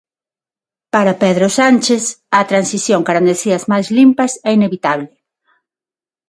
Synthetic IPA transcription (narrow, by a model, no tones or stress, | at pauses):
paɾapeðɾosanʲt͡ʃesɐt̪ɾansiθjoŋkaɾand̪eθiɐzmajzlimpɐsɛineβit̪aβlɪ